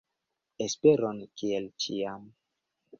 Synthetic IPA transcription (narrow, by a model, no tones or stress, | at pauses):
espeɾonkielt͡ʃiam